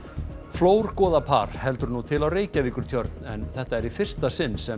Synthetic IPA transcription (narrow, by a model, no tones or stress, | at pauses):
floːwɾkɔːðapʰa̰ːɾ̥hɛlt̪ʏɾnut̪ʰɪlawreːjcaviːkʏɾ̥t̪ʰjœɾt̪nɛ̰nθɛht̪aɛɾifɪr̥st̪asɪnːsɛ